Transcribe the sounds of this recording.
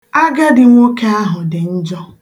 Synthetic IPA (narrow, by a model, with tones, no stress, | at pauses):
a˦ɡa˦dɪ˨ŋʷo˦ke˦a˦ɦʊ˨dɪ˨n̩˦d͡ʒɔ˦